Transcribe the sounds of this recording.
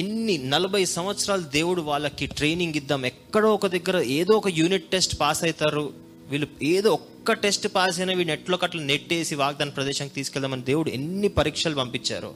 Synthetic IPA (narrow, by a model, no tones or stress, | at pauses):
enːinɐlɐbʱɐjsɐmʋɐt̪sɾaːlud̪e̞ːwuɽuʋaːɭːɐkːiʈɾe̞jniŋɡid̪ːaːmɛkːɐɽɐːɔkɐd̪ɐɡːɐɾɐeːd̪oɔkɐjuːniʈʈe̞sʈpaːsɐjt̪aːɾu | ʋiːlueːd̪oːɔkːɐʈe̞sʈpaːs̬ɐjnɐːʋiːɭɛʈloːkɐʈlɐneʈːeːsiʋaːɡ̚d̪aːnɐpɾɐd̪ɛːʃɐŋkit̪iːsu̥kɛld̪aːmɐnid̪e̞ːwuɽuḛnːipɐɾiːkʂaːlupɐmpit͡ʃːa̰ːɾṵ